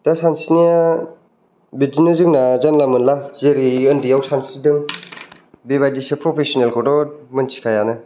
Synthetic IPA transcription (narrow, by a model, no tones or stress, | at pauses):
d̥asansinija | bid͡ʒinɯzɯŋnazanlamɯnlazeɾiɯndijawsansidɯŋ | beβajdisepɾɔpʰesɔnelkʰɔdɔmɯnt͡ʃʰi̥kʰajanɯ